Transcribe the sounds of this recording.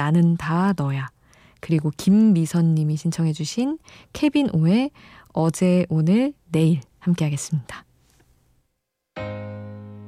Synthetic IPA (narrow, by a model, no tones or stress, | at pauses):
anɯntanʌja | kɯɾiɡokimːisʰʌɲːimiɕʰint͡ɕʰʌŋɦe̞d͡ʑuɕʰinkʰe̞binʔoe̞ | ʌd͡ʑe̞ʔonɯɭne̞iɭ | hamk͈e̞ɦaɡe̞s͈ɯmɲid̥a